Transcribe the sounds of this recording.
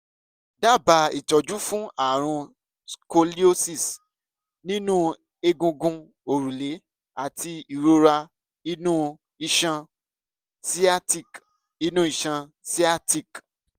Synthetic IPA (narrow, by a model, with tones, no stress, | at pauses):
da˦˨ba˨˧i˦˨t͡ʃɔ˨d͡ʒu˦fũ˦a˦˨ɾ̃ũ˧ | ko˧li˦o˦si˦˨s | nĩ˦nũ˦ | e˧ɡũ˧ɡũ˧ | o˨ɾũ˨le˨˦ | a˨ti˧i˨ɾo˦ɾa˧ | i˧nũ˦ | i˨ʃã˧ | si˦a˦ti˦˨k | i˧˦nũ˦i˨ʃã˧ | si˦a˦ti˦˨k